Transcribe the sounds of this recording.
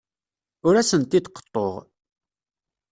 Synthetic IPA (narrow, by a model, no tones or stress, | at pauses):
ʊɾæsənt̪ːid̪qːə̥t̪ˤːoʁ